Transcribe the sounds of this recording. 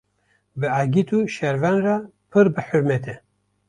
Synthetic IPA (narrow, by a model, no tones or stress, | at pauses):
bɨaɡit̪ʰuːʃɛɾvænrapʰɨɾbɨħuɾmɛt̪ʰɛ